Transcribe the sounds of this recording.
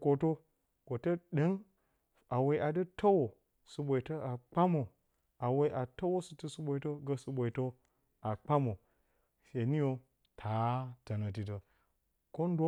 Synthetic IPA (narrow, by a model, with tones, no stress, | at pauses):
ko˨to˦ | ko˨tə˦ɗə˦n | a˨we˨i˨ʔa˨də˦tə˦wo˨ | sɨ˨ɓʷo˨i˨tə˦a˨k͡pa˦mo˨ | a˨we˨˦i˦ʔa˨tə˦wo˦sɨ˨ti˦su˦ɓʷo˨i˨˦tə˦ɡə˦sɨ˦ɓʷo˨i˨tə˦ | a˨k͡pa˦mo˨ | ʃe˨˦ni˦jo˨ | tʰa˨˦tə˨nə˨t̬i˨t̬ə˨ | ko˦n˦do˦